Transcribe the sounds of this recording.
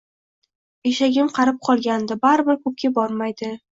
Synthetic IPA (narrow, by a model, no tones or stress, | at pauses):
eʃaɡʲɪmqʰɑɾɪp̚qʰɒlˠɡʲand̪ɪbaɾɪbɪɾkʰɵp̚kʲabɒɾmajd̪ɪ